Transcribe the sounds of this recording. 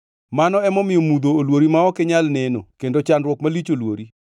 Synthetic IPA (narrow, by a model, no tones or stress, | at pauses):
manɔɛmɔmɪjɔmud̪oːlwoɾimaɔkɛɲalnɛno̰kendot͡ʃanrwɔkmalit͡ʃolwoɾi